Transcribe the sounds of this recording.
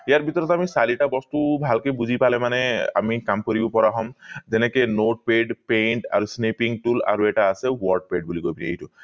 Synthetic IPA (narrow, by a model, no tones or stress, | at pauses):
ijaɾbʱit̪ɔɾɔt̪amisaliʈabɔst̪ubʱalkebuzʱipalɛmanea̰mikamkɔɾibopɔɾaɦɔmzɛnekenoʈ̚peɖpeɳʈa̰ɾusnepiŋʈula̰ɾueʈaːsewɔɹɖ̚peɖ̚bulikobiniḛjtu